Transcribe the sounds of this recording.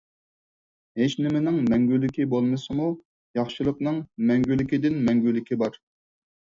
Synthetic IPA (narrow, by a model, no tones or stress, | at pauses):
ɦet͡ʃnɪmɪnɪŋmɛŋɡʲylːɪkʲibolˠmɨsɨmu | jɑχʃɨlˠəqnɨŋmɛŋɡʲylːɪkʲid̪ɪnmɛŋɡʲylːɪkʲibɑɾ